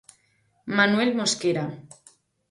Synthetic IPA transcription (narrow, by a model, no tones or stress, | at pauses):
manwelmoskeɾa